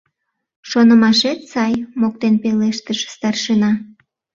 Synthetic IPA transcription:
ʃonəmɑʃet̪sɑjmok̚t̪enpeleʃt̪əʃst̪ɑrʃənɑ

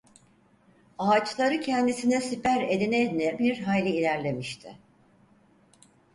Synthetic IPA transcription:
aːt͡ʃlˠaɾɯcʰɛnd̪isinɛsipæɾed̪inɛd̪nɛbiɾɦajlʲiːlʲæɾlʲe̞miʃt̪ʰɪ

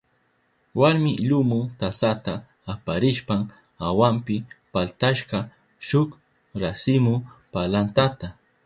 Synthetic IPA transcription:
waɾmɪʎʊmʊt̪asat̪aː | paɾɪʃpam | awampɪpalt̪aʃɢɑ | ʃʊk | ɾasɪmʊpalant̪at̪a

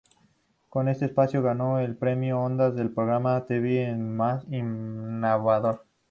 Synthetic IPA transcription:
ko̞ne̞st̪eːspasjo̞ɣano̞elpɾe̞mjoond̪azðelpɾoɣɾamat̪eβienmasinaβaðo̞ɾ

